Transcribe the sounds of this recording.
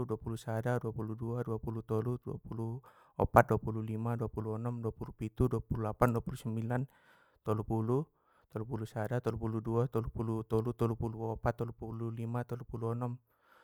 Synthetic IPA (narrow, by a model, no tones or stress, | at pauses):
duapulusadaduapuluduaduapulut̪ɔludua̰pulu | ɔ̰pat̪̚duapululimaduapuluɔnɔmduapulupit̪uduapululapanduapulusɛmbilan | t̪ɔlupulu | t̪ɔlupulusadat̪ɔlupuluduat̪ɔlupulut̪ɔlut̪ɔlupuluɔpat̪ːɔlupululimat̪ɔlupuluɔnɔm